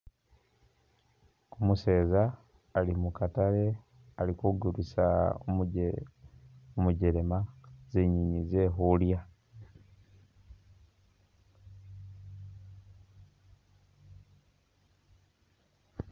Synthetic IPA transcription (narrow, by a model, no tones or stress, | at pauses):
kumuse̞ːzaː | limukatale̞ | alikoɡuɾusa | omuɟe̞ɾe̞maz̥e̞ɲiɲize̞ːɦulja